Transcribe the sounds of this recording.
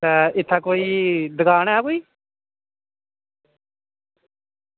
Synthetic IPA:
ɛːɪt̪ʰːaːkoːiːd̪əɡaːñɛːakoːiː

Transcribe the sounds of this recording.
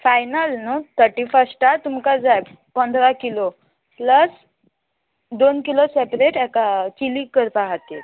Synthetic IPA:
fajnalnət̪ʰəɾʈifəsʈat̪umkad͡zaj | pənd̪ʱɾakilo | pləs | d̪onkilosepɾeʈɛkat͡ɕilikːəɾt̪aɦat̪et

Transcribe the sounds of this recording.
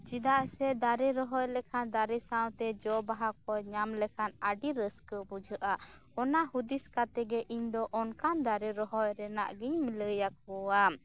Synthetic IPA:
d͡ʒid̪aʔsɛd̪aɾɛɾɔɦɔjlɛkʰand̪aɾɛsawt̪ɛd͡ʒɔbaɦak̚ɔɲamlɛkʰanaɖiɾəskəbud͡ʒəʔa | ɔnahud̪iskat̪ɛɡɛʔiɲd̪ɔʔɔnkand̪aɾɛɾɔɦɔjɾɛna̰ʔɡiɲmiləjak̚hɔwam

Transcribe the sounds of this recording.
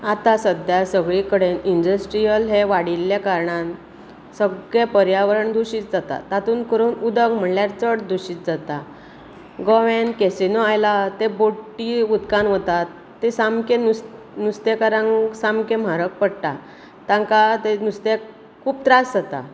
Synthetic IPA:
at̪asəd̪jasəɡɭikəɽenindəsʈɾijəlɦeʋaɽilːjakaɾɳan | səɡɭepəɾjaʋəɾəɳd̪ʱuɕiːt̪d͡zat̪a̰t̪at̪uːnkəɾuːnud̪əɡm̤əɳljaɾt͡səɽd̪ʱuɕiːt̪d͡zat̪a | ɡɔʋẽnkesenoajlat̪eboʈːiud̪kanɦət̪at̪ːesamkenu | nust̪ekaɾãŋsamkẽm̤aɾək̚pəɽʈa | t̪ãŋkat̪enust̪e | kʰuːb̚t̪ɾasd͡zat̪a̰

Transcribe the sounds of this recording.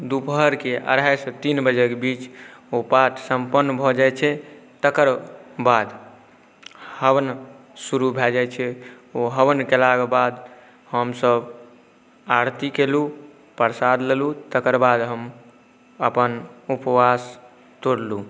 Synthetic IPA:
d̪upəɦəɾkeʔə̰ɽajsət̪inbəd͡ʒekebit͡ʃopaʈʰsəmpənːbʱɔd͡ʒajt͡ʃʰɛt̪əkəɾbad̪ | həʋən | suɾubʱeld͡ʒajt͡ʃʰɛ | oɦəʋənkelaɡebad̪ | ɦəmsəb | aɾt̪ikelu | pəɾsad̪lelut̪əkəɾbad̪ɦəm | əpənupwas | t̪oɾlu

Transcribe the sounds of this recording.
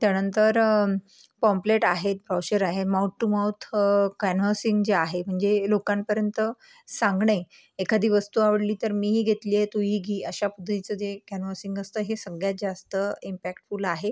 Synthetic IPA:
t̪janənt̪əɾ | pɔmpleʈaɦet̪̚bɾɔwɕəɾaɦemawʈːumawt̪ʰkanʋəsiŋɡd͡zeaɦem̤əɳd͡zelokampəɾjənt̪ə | saŋɡɳəj | ekʰad̪ʱiːʋəst̪uaʋəɽliːt̪əɾmiːɦiːɡʱet̪liet̪uɦiːɡʱiːəɕapud̪ʱɾit͡səd͡zekænʋəsiŋɡəst̪əːɦesəɡɭjat̪̚d͡zast̪əimpækʈfuːlaɦe

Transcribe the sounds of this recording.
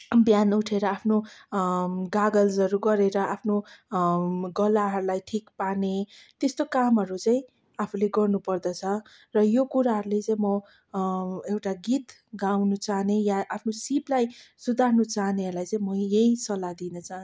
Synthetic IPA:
bjanuʈʰeɾʌapʰno | ɡaɡʌld͡zʌɾuɡʌɾeɾʌʔapʰno | ɡʌlaɦʌɾulajʈʰikpanet̪est̪okamɦʌɾut͡saĩ | apʰuleɡʌrnupʌrd̪ʌt͡sʰʌ | rʌjokuɾaɦʌɾulet͡saĩmʌ | ewʈaɡit̪ | ɡawnut͡saɦnejaʔapʰnosiplajsud̪ʱarnut͡saɦneʌɾlajt͡saĩmʌjejsʌlad̪inʌt͡saɦn

